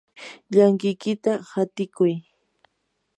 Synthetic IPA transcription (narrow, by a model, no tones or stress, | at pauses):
ʎaŋkɪjkɪt̪ahat̪ɪkʊj